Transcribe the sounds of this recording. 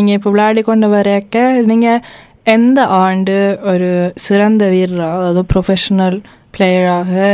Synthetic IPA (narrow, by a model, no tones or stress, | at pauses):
iŋːɐipːoʋɭaːɽikoɳɖɨʋɐɾejɐkːeniŋːɐ | end̪ɐʔaːɳɖɨoɾusɨɾɐnd̪ɐʋiːɾraːðɐðɨprofeʂɐnɐl | pɭejɐɻaːɣɨ